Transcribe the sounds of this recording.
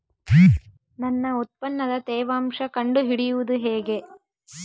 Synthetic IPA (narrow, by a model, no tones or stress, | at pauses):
nɐnːɐut̪̚pɐnːɐd̪ɐt̪ɛːʋaːmʂɐkɐɳɖuɦiɽijuʋud̪uɦeːɡe̞